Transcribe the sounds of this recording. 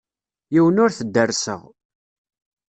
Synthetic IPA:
jiwənʊɾθəd̪ːərsə̰ʁ

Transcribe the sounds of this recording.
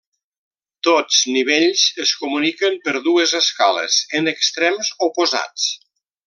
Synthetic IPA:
t̪ot͡sniβ̞eʎzəskumunikəmpəɾðuəzəskalə̰zənəkst̪ɾɛmzopuza̰t͡s

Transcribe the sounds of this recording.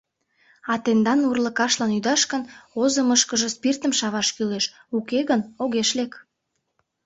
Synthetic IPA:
ɑt̪end̪ɑnurləkɑʃlɑnyd̪ɑʃkənozəməʃkəʒə̆spirt̪əmʃɑβɑʃkyleʃ | ukeɣənoɣeʃlek

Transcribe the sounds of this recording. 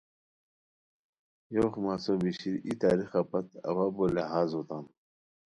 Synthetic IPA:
joːχmaːsobiɕiɾit̪aːɾixapɐt̪ɐ̰waːboleɦaːzoːt̪aːm

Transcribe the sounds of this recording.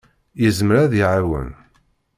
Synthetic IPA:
jəzməɾæðjʕɾwə̰n

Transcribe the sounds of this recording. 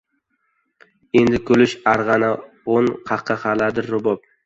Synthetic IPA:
end̪ɪkʰɵlɪʃaɾʁɑna | onqʰɑqʰːɑχɑlad̪ɪɾːʊbɒp̚

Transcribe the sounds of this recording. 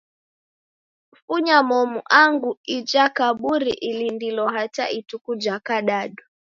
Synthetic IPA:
fuɲamɔmuʔaŋɡuid͡ʒakaɓuɾiʔilindilɔɦata̰itukud͡ʒakaɗaɗu

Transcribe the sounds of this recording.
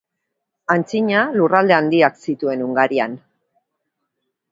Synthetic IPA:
ant͡siɲalurald̪e̞and̪iaksit̪ue̞nuŋɡaɾian

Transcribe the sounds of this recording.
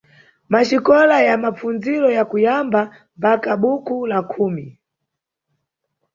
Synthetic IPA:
maʃikɔlajamap͡fund͡ziɾɔjakujamba | mpakaɓukulakʰuːmi

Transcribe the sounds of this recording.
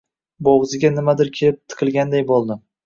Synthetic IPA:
boʁzɪɡʲanɪmad̪ɪɾkʲʰelɪp̚t̪ʰɨ̥qʰɨlˠɡʲand̪ajbolˠd̪ɪm

